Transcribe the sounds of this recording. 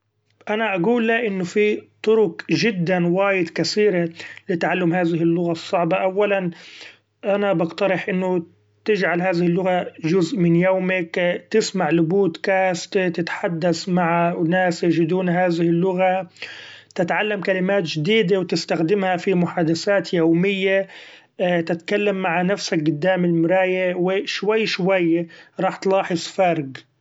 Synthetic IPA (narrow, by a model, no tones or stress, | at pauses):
ʔanaʔaɡuːlːaʔɪnːʊfit̪ˤʊɾʊkʒɪd̪ːanwaːjɪd̪kaθiːɾelɪt̪aʕalːʊmhaːðɪɦɪlːʊɣasˤːɑʕbɑʔawːalan | ʔanabɑɡt̪ɑɾˤɪħʔɪnːʊ | t̪ɪd͡ʒʕalɦaːðɪhɪlːʊɣaʒʊzʔmɪnjawmɪkt̪ɪsmaʕlʊbuːt̪kaːst̪et̪ɪt̪ħad̪ːasmaʕanaːsjɪʒɪd̪uːnɦaːðɪhɪlːʊɣa | t̪ɪt̪ʕalːamkalɪmaːt̪ʒɪd̪iːd̪awt̪ɪst̪axd̪ɪmhafimʊħaːd̪asaːt̪jowmɪjːa | t̪ɪt̪kalːamːaʕanafsak̚ɡʊd̪ːaːmɪlmʊɾˤɑːjewɪʃwajːʃwajːɾˤɑːħt̪lɑːħɪsˤfɑɾˤɡ